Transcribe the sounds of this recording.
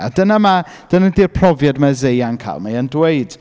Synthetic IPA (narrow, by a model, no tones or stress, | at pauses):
a̰dənama | d̥ənadɪrpʰrɔvjadmazejankʰa̰lˠmaəndweɨd̥